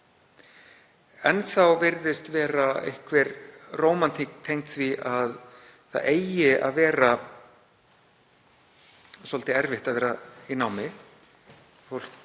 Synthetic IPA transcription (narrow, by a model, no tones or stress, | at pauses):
ɛnθawvɪɾðɪst̪vɛːɾaɪ̰hkvɛɾroːwmant̪ʰiːkt̪ʰejŋ̥t̪θviʔað | θa̰ðeːjɪa̰ðvɛːɾa | sɔlt̪ɪɛɾvɪht̪aðvɛːɾainawmɪ | fol̥